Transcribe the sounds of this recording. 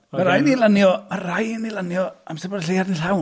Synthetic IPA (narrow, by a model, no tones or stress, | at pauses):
maɾajnilˠanjɔmarajnilˠanjɔamsɪbɔdɬejardinɬaw